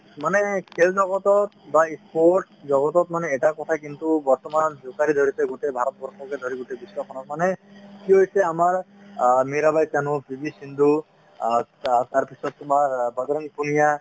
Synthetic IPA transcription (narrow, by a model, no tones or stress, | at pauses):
manekʰeld͡ʒɔɡɔt̪ɔt̪̚baispoɾʈ̚ | zɔɡɔt̪ɔt̪̚manɛːʈakɔt̪ʰakint̪ubɔɹt̪ɔmanzokaɾid̪ʱoɾit̪eɡutejbʱaɾɔt̪̚bʱɔɾsɔked̪ʱoɾiɡutejbiswakʰɔnɔk̚manekiɦojsɛamaɹ | miɾabajt̪anũbʱibisind̪ʱu | t̪aɹpʰisɔt̪mabad̪ɾɔŋpunija